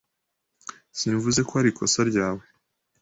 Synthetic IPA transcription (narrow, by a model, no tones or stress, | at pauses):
siɱvuze̞kohaɾikʰo̞saɾɟaːwe̞